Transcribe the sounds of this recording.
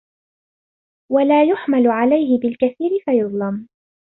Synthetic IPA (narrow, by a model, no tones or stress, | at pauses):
walaːjʊħmalʕalajɦɪbɪlkaθiːɾɪfajʊðˤlɑm